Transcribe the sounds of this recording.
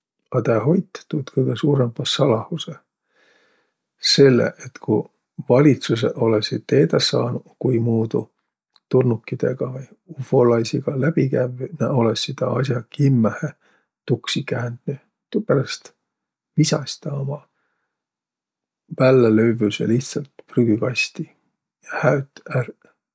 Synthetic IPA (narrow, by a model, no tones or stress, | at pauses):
ɑd̪eɦo̞jt̪ːe̥t̪ːut̪kɤjɡ̥esuːɾempɑsːɑlɑhuse | se̞lːḛʔet̪kuj | vɑlʲit̪sus̬ḛo̞lesit̪t̪ːe̞ːd̪̥ɑsɑːnukujmuːd̪u | t̪urnukːid̪̥e̞̰ɡ̥ɑvɯj | ufo̞lɑjsiɡ̥ɑlæb̥ikævneo̞lesːid̪̥ɑɑs̬ʲjɑkimːæhe | t̪uksikæːnd̪̥ny | t̪upæɾɑst̪ | visɑ̰st̪ɑomɑ | vælːelø̞ɥvysḛliht̪sɑlt̪pryɡykɑst̪i | jɑhæyt̪ˑær